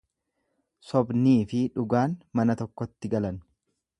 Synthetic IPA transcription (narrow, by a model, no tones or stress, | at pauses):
sɔbniːfɪᶑʊɡaːnmɐnɐt̪ɔkːɔt̪ːɪɡɐlɐn